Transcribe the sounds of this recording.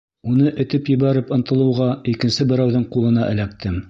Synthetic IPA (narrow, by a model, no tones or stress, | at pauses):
unɤʔɘ̆t̪ɘpjɘ̆βæɾɘpɤ̆nt̪ɤ̆lˠɤ̆wʁɑikɘ̆nsɘbɘ̆ɾæwðɘɴqulˠɤ̆nɑʔɘ̆læk̚t̪ʰɘm